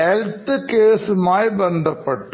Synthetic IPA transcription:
ɛlt̪ɨkeːsmaːjbɐnd̪ɐpːɐʈːɯ

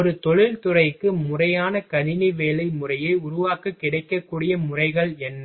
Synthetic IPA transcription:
ɔɾɯt̪ɔɻɪlt̪ʊrɐɪkːɯmʊrɐjaːnɐkɐnɪniʋeːlɐɪmʊrɐjɐɪʊɾʊʋaːkɯkːɪɽɐɪkːɐkːuːɽɪjɐmʊrɐɪɣɐɭɛnː

